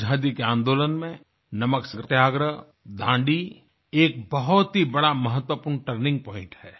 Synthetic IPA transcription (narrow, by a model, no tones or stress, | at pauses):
d͡ʒʱãːd̪ikeãːnd̪oːlənmẽ | nɐməksəkɾt̪jaːɡɾə | d̪ãːɳɖi | eːk̚bɐɦʊt̪ɦibɐɽamɐɦət̪wəpuːɾɳʈəɾnɪ̃ŋɡ̚pɔ̃ːɪ̃ɳʈhɛː